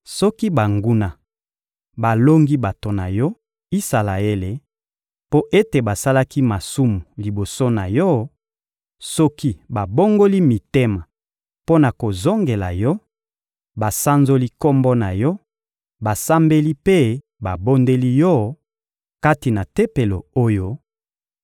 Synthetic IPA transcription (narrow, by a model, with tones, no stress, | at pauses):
sɔ˦ki˦ba˨ŋɡu˦na˨ | ba˨lo˦ŋɡi˦ba˨to˨na˨jɔ˦ | i˦sa˨la˨e˦le˨ | po˦ʔe˦te˨ba˨sa˦la˦ki˦ma˨su˦mu˨li˨bo˨so˦na˨jɔ˦ | sɔ˦ki˦ba˨bo˦ŋɡo˦li˦mi˨te˦ma˨ | po˦na˨ko˨zo˦ŋɡe˨la̰˨jɔ˦ | ba˨sa˦nzo˦li˦ko˦mbɔ˦na˨jɔ˦ | ba˨sa˦mbe˦li˦pe˦ | ba˨bo˦nde˦li˦jɔ˦ | ka˦ti˨na˨te˦pe˨lo˨o˦jo˦